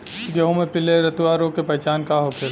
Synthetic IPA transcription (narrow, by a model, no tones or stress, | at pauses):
ɡɐɦõmẽpɪleɾɐt̪uʋaːɾõkepɐt͡ʃaːnkaɦopʰɪɾ